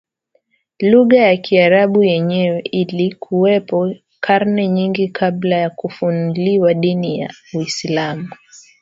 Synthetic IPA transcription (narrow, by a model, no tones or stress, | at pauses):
luɣajakʰiaɾaɓujɛɲɛwɛilikʰuɛpɔ | kʰaɾnɛɲiŋɡikʰablajakufunuliwaɗinija̰uislamu